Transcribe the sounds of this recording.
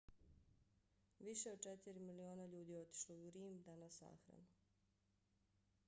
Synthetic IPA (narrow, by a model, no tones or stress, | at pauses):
ʋiʃeo̞d̪̚t͡ʃet̪iɾimilioːnaʎuːd̪ijo̞t̪i̥ʃlojuɾiːmd̪anasa̰ːxɾa̰nu